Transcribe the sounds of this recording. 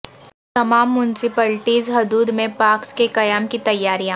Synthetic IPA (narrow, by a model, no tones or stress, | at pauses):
t̪ɐmaːmːʊnɪsɪpəːlʈiːzɦʊd̪uːd̪mẽpaːɾkskekɐjaːmkit̪ɐjːaːɾijã